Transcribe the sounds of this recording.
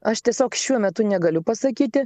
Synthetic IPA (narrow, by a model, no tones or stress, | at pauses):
ɐʃt̪ʲiɛsʲoːkʃʲuɔmʲɛt̪ʊnʲɛɡɐlʲʊpɐsɐkʲiːt̪ʲɪ